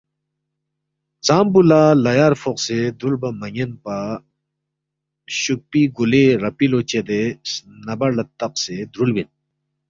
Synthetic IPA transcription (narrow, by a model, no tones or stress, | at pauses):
t͡saːmbulalɐjaɾfoqsed̪ɾulbɐmɐŋenpa | ɕuk̚piɡuleɾɐpilot͡ɕed̪enɐbɐɾlɐt̪ːɐq̚sed̪ɾulbin